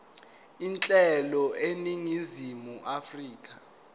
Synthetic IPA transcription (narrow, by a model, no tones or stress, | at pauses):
int͡ɬʼɛlɔeniŋizimuʔafriːk̬ʰʼa